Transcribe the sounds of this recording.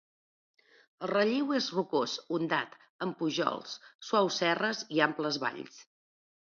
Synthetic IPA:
əlˠrəʎiwezrukosund̪a̰t̪ | əmpuʒɔ̰lˠsswawsɛrəziampləzβa̰ʎs

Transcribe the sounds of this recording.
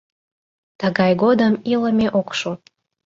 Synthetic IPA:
t̪əɣɑjɡod̪əmiləmeʔokʃo

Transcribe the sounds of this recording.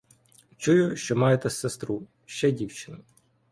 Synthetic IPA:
t͡ʃujʊʃt͡ʃɔmɑjet̪ɛsːest̪ɾu | ʃt͡ʃɛdʲiwt͡ʃɪnɐ

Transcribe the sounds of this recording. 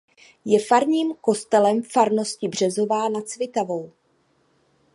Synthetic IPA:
jɛfaɾɲiːmko̞st̪ɛlɛmfaɾno̞scɪbr̝̥ɛzo̞vaːnat̪t͡svɪt̪avo̞w

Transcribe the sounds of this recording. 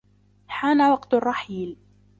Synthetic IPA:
ħaːnawɑqt̪rˤːɑħiːl

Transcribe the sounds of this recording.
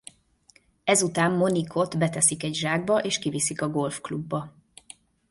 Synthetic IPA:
ɛzut̪aːmːo̞nikʰo̞t̪bɛt̪ɛsikɛɟʒaːɡ̚bɒʔeːʃkivisikɒɡo̞lfklubːɒ

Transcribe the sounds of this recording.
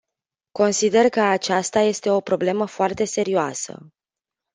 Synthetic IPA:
ko̞nsid̪e̞rkəat͡ʃast̪aje̞st̪e̞o̞pɾo̞ble̞məfoart̪e̞se̞ɾioasə̰

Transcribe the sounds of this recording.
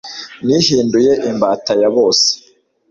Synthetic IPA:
nihiːndujeʔimbaːtajaβo̞ːse̥

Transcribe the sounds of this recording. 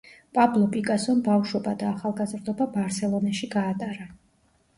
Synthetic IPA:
pʼablˠɔpʼikʼasɔnbafʃɔbad̪aːχalˠɡazɾd̪ɔbabaɾt̪sɛlˠɔnaʃiɡaːt̪ʼaɾa

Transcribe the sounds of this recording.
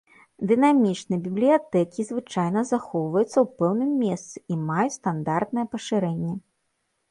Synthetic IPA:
d̪ɨnamʲit͡ʂnɨjbʲiblʲijat̪ɛkʲizvɨt͡ʂajnɐzaxɔwvɐjut̪sːɐwpɛwnɨmːʲeɛst̪sɨimajut͡sʲst̪and̪art̪nɐjɛpɐʂɨɾɛnʲːɛ

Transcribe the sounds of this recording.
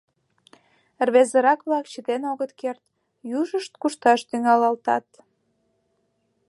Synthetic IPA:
rβezəɾɑkβlɑkt͡ɕət̪enoɣət̪kert̪ | juʒəʃt̪̚kuʃt̪ɑʃt̪yŋɑlɑlt̪ɑt̪

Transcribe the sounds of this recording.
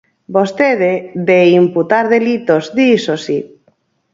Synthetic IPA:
bost̪eðeðeimput̪aɾðelit̪ozðisosi

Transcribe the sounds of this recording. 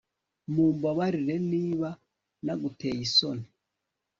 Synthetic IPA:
muːmbaβaɾiɾeniːβa | naɡutejisoni

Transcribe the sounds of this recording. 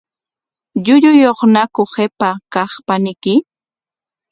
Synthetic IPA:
ʎʊʎʊjoχnakʊχepakɑχpanɪkɪ

